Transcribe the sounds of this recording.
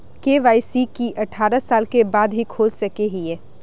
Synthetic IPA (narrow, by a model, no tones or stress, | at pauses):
keːʋaːɪsikiʔɐʈʰːaːɾəsaːlkebaːd̪ɦikʰoːlsɐkeɦiɛ̃ː